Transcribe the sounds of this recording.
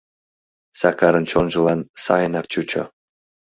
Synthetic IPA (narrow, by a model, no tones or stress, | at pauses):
sɑkɑɾɤ̆nt͡ɕonʒɤ̆lˠɑnsɑjənɑk̚t͡ɕut͡ɕo̰